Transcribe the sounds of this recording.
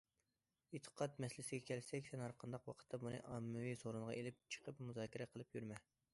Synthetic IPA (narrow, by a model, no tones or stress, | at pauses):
et̪ʰːə̥qʰɑt̪̚mɛslɪsɪɡʲɛkʲʰɛlsɛkʲsʰɛnɑɾqʰənd̪ɑqwɑqʰə̥t̪ːɑbunɨ̰ʔɑmːɪwisoɾunʁɑ̰ʔelɪp̚t͡ʃʰə̥qʰəpmuzɑːkʲiɾɛqʰəlˠɨpjyɾmɛ